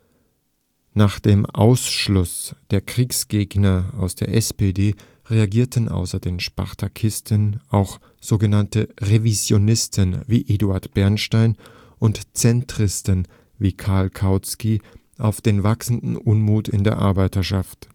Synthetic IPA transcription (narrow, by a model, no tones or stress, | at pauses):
naːχd̥eːmʔa̰ʊsʃlʊsd̥eːɐkʁ̥iːksɡ̥eːɡnɐaʊsd̥eːɐʔɛspedeː | ʁeaɡiːɐtənʔa̰ʊsɐdeːnʃpa̰ʁtʰakʰɪstʰənʔaʊx | z̥oːɡənantəʁevizjonɪstʰənvḭːʔeduaɐtb̥ɛɐnʃtaɪn | ʔʊntt͡sɛntʁ̥ɪstən | viːkʰaɐlkʰaʊt͡ski | ʔaʊfd̥eːnvaksn̩dn̩ʔʊnmuːtɪ̰ndeːɐʔa̰ɐbaɪtɐʃaft